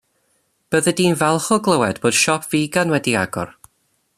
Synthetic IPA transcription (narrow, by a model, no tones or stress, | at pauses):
b̥əðədiːnvɛlˠχɔɡlˠəwɛdboːd̥ʃɔpʰviːɡanwɛdia̰ɡɔ̰r